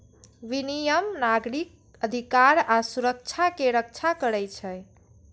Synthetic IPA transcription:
ʋinijəmnaɡɾik̚ | əd̪ʱikaɾasuɾək̚t͡ʃʰakeɾək̚t͡ʃʰakəɾɛjt͡ʃʰə

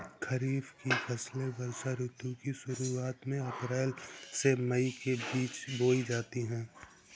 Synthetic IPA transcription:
kʰɐɾiːfkifʰɛːslebɐɾʃaɾʊt̪jũkiʃʊɾuaːt̪mẽɐpɾɛːlsemɐikebiːt͡ʃboːid͡ʒaːt̪iɦɛ̃ː

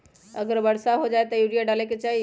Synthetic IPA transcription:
ə̰ɡəɾbəɽsaɦod͡ʒaet̪ɔjuɽijaɖaleket͡ʃaɦi

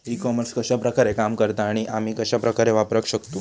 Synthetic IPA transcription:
ɾikɔməɾskəɕapɾəkaɾekamkəɾt̪aːɽ̃iʔam̤iːkəɕapɾəkaɾeʋapɾəkɕəkt̪u

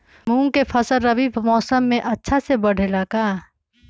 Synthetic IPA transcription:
mũːŋkepʰɐsəlːɐbiːbmɔːsəmːẽʔɐtːʃʰasebɐɽ̤ʱelaːkaː

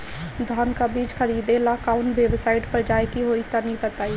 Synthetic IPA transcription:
d̪ʱɔːnkabiːd͡ʒxəɾiːd̪ẽlaːkaːʊnʋeːbsaːɪʈpəɾd͡ʒaːjkiɦoːit̪ɐnipət̪aːi

